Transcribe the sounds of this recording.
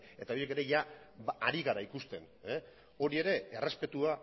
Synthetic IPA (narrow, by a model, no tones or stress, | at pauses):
e̞t̪ao̞je̞ke̞ɾe̞ʝaː | ɾiɣaɾaikust̪e̞n | e | o̞ɾie̞ɾe̞ere̞spe̞t̪ua